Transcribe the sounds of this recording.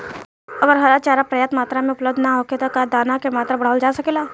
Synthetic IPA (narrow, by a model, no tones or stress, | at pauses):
ɐɡəɾɦɐɾat͡ʃaːɾapɾɐjaːt̪maːt̪ɾamẽʊpləb̚d̪ʱnaɦoːket̪okaːd̪aːnakemaːt̪ɾabɐɽ̤aːwld͡ʒaːsɐkeːlaː